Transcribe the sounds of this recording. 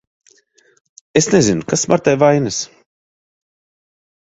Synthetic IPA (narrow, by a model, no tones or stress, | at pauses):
esnezinukasmaɾt̪ajvajnɨs